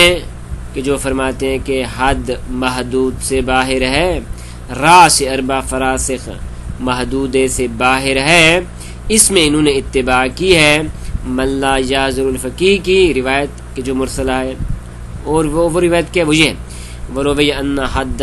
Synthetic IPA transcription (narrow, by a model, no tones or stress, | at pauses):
ɛ̃ | ked͡ʒoːfɐɾmaːt̪eɦɛ̃keɦɐd̪mɐɦd̪uːd̪sebaːɦɪɾɦɛː | ɾaːseɐɾbafɐɾaːsɪxmɐɦd̪uːd̪esebaːɦɪɾɦɛː | ɪsmẽɪnɦõːneɪt̪ːɪbaːkiɦɛmɐnlaːjaːzɪɾʊlfɐkiːɦkiɾɪʋaːjət̪ked͡ʒoːmʊɾsəlaɦɛ | ɔːɾʋoʋoɾɪʋaːjət̪kiɦɛʋojeɦɛ | ʋɐɾoːʋejɐnːaɦɐd̪